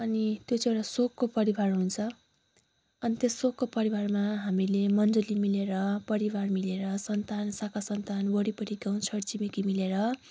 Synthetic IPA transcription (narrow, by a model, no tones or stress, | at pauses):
ʌnit̪jot͡sieɽasokːopʌɾibarɦunt͡sʰʌ | ʌnit̪esokːopʌɾibarmaɦamilemʌnd͡zʌlimileɾʌpʌɾibarmileɾʌsʌnt̪ansakasʌnt̪anbʌɽipʌʈiɡaw̃t͡sʰʌɽt͡simikimileɾʌ